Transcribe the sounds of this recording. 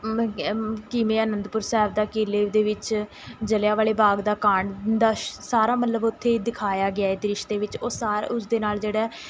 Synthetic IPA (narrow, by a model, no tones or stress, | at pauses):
kɪmẽːənənd̪pʊɾsɛɦbd̪aːkiːleːʋd̪eːʋɪt͡ʃ | d͡ʒəljaːʋaːleːbaːɡd̪aːkaːɳd̪aːsaːɾaːmət̪ləbʊt̪ʰːeːd̪ɪkʰaːjaːɡɪaːeːd̪ɪɾɪʃt̪eːʋɪt͡ʃoːsaːɾʊsd̪eːnaːld͡ʒeːɽɛː